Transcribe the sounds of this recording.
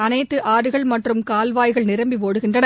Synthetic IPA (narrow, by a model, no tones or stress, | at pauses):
ɐnɐɪt̪ːɯʔaːɾɯɣɐɭmɐʈrɯmkaːlʋaːjɣɐɭnɪɾɐmbiʋoːɽɯɣɪndrɐnɐ